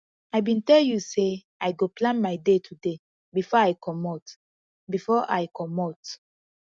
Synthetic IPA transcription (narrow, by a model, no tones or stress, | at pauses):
ajbĩntɛljuse | ajɡoplãnmajdetʰude | bifɔajkʰɔmɔt | bifɔʔajkʰɔmɔt